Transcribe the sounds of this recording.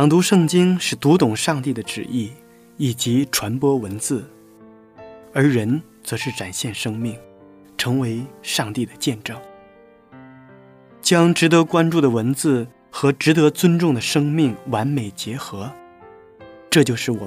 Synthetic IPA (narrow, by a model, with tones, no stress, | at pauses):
jɑ˨˩ŋt̪u˧˥ʂɤ˥˩ŋt͡ɕi˥ŋʂɻ̩˥˩t̪u˧˥t̪ʊ˨˩ŋʂɑ˥˧ŋt̪i˥˩d̪ə˩ʈ͡ʂɻ̩˨˩ʔi˥˩ | i˨˩t͡ɕi˧˥ʈ͡ʂʰwa˧˥npwɔ˥wə˧˥nt͡sɹ̩˥˩ | ə˞˧˥ɻə˧˥n | t͡sɤ˧˥ʂɻ̩˥˩ʈ͡ʂa˨˩nɕjɛ˥˩nʂɤ˥ŋmi˥˩ŋ | ʈ͡ʂʰɤ˧˥ŋwe˧˥ɪʂɑ˥˧ŋt̪i˥˩d̪ə˩t͡ɕjɛ˥˧nʈ͡ʂɤ˥˩ŋ | t͡ɕjɑ˥ŋʈ͡ʂɻ̩˧˥t̪ɤ˧˥kwa˥nʈ͡ʂu˥˩d̪ə˩wə˧˥nt͡sɹ̩˥˩ | xɤ˧˥ʈ͡ʂɻ̩˧˥t̪ɤ˧˥t͡swə˥nʈ͡ʂʊ˥˩ŋd̪ə˩ʂɤ˥ŋmi˥˩ŋwa˧˥nme˨˩ɪt͡ɕjɛ˧˥xɤ˧˥ | ʈ͡ʂɤ˥˧t͡ɕjo˥˧ʊʂɻ̩˥˩wɔ̰˨˩